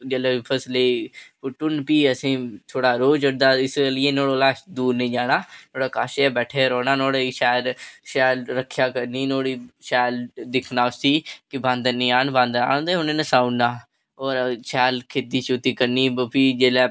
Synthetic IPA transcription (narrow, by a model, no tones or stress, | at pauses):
d͡ʒeːleːpʰəsleipʊʈʊnpiːəsĩːt̪ʰoːɽaːɾoːd͡ʒəɽd̪aːɪslːeːnoːɽoːlaːsd̪uːɾnĩːd͡ʒaːɽ̃aːnoːɽaːkaːʃebɛːʈʰeːɾɔːnaːnoːɽeʃɛːlʃɛːlɾəkʰːjaːkəɾniːnoːɽiːʃɛːld̪ɪkʰnaːʊst̪iːkɪbãnd̪ənĩːaːnbãnd̪a̰ːnːd̪eːɦʊnẽːnəsaːunːaː | ɔːɾʃɛːlkʰeːd̪iːt͡ʃot̪iːkəɾniːpʰiːd͡ʒeːlɛː